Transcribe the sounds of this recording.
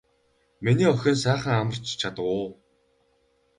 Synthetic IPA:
miniːɔxʲĕːns̬æːχə̆ŋamə̆r̥t͡ɕt͡ɕʰat̪ə̆kʊː

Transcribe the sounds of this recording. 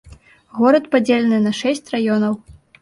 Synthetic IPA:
ɣɔɾɐt̪pad͡zʲelʲɛnɨnɐʂɛsʲt͡sʲrajɔnɐw

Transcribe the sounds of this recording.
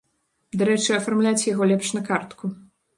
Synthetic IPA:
d̪aɾɛt͡ʂɨɐfarmlʲat͡sʲjaɣɔlʲɛpʂnɐkart̪ku

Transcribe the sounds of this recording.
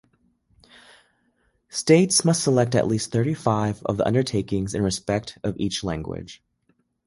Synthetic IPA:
steɪtsmʌstsəlɛk̚tɨ̰ʔˡlist̪θɜ˞ɾifaɪvʌ̰vðiʔʌ̰̃ndə˞tʰeɪkɪ̃ŋzɨ̃nɹɨspɛk̚tʰʌvit͡ʃlæ̃ŋɡwɪ̰d̥ʒ̥

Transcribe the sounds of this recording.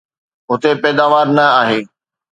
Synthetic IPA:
ɦʊt̪epɛːd̪aːʋaːɾnɐaːɦeː

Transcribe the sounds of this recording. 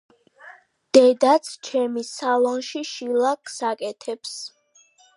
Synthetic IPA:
d̪̥ɛd̪at̪sʰt͡ʃʰɛmisalˠɔnʃiʃilˠakʰsakʼɛt̪ʰɛps

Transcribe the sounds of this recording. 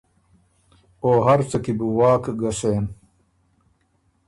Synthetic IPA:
oːɦɐɾt͡sɐkibuwaːkɡɐseːn

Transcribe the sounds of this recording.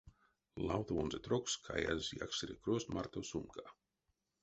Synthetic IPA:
lawt̪oonzet̪ɾokskʰa̰ja̰zia̰kseɾekɾosmaɾt̪osumka

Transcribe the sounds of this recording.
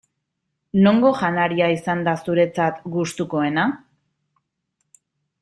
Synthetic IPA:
no̞ŋɡo̞ʝanaɾiaisand̪asuɾe̞t͡sat̪ɡust̪uko̞e̞na

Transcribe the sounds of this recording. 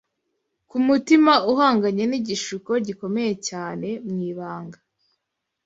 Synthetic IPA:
kumutimauɦaːŋɡaɲe̞niɟiʃuko̞ɟiko̞me̞je̞caːne̞mŋiːβaːŋɡa

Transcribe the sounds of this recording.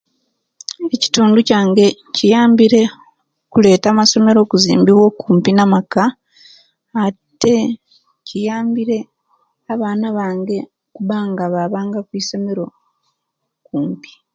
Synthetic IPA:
e̞ci̥tuːnducaːŋɡe̞ | cijaːmbiɾe̞ | kule̞ːtamaso̞me̞ɾo̞ːkuzḭːmbiβwo̞kuːmpinamaka | te̞ | cijaːmbiɾe̞ | aβaːnaβaːŋɡe̞ | kuβaːŋɡaβaβaːŋɡakwiːso̞me̞ɾo̞ | kuːmpi̥

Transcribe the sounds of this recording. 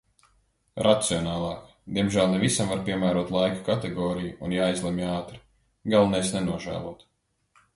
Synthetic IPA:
ɾʔat̪siɔnɑːlˠɑːk | d̪̥iɛmʒæːlˠnɛvisamvaɾpʲiɛmæːɾuɔt̪lˠajkḁkat̪eɡɔːɾijuunjaːjzlˠemaːt̪ɾi̥ | ɡalˠnɛjsnɛnuɔʒæ̰ːlˠuɔt̪

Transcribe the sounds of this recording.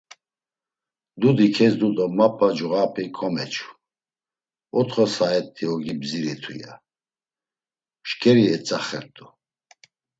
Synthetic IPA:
d̪ud̪ikʰɛsd̪ud̪ɔmapʰʼad͡ʒuɣapʰikʰʼɔmɛt͡ʃʰu̥ | ɔt̪χɔsaɛt̪ʰːiɔɡibziɾɛt̪ʰṵja̰ | ʃkʰʼɛɾiɛt͡sʼaχɛɾt̪ʼu

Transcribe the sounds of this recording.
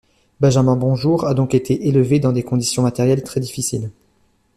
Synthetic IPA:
bɛ̃ʒamɛ̃bɔ̃ʒuʁad̪ɔ̃ket̪ʰeʔeləved̪ɑ̃d̪ekɔ̃d̪isjɔ̃mat̪ɛʁjɛlt̪χɛd̪ifisil

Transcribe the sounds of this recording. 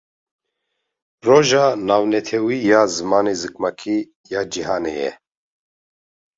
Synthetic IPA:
rɔʒanawnɛt̪ʰɛwijazmanizɨk̚ʰmakʰi | jad͡ʒiɦanɛjɛ̰

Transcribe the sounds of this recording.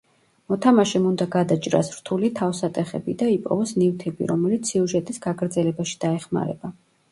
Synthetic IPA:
mɔt̪ʰamaʃɛmund̪aɡad̪at͡ʃʼɾa̰sɾt̪ʰulit̪ʰafsat̪ʼɛχɛ̰bid̪aipʼɔ̰vɔsnivt̪ʰɛbḭɾɔmɛlit̪sʰiuʒɛt̪ʼisɡaɡɾd̪zɛlɛbaʃi̥d̪̥aɛχma̰ɾɛ̰ba

